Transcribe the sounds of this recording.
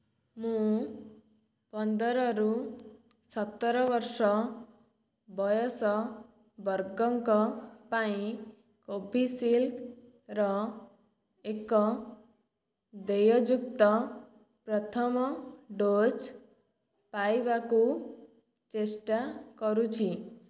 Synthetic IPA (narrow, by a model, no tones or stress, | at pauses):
mũ | pʌnd̪ʌɾʌɾu | sʌt̪ːɾʌbʌɾsɔ | bʌjɔsɔ | bʌɾɡɔŋkɔpaĩ | kobʱisilk | ɾɔ | ekɔ | d̪ejɔd͡ʒuk̚t̪ɔ | pɾʌt̪ʰʌmɖod͡ʒ | pajbaku | t͡ʃesʈakɔɾũt͡ʃʰi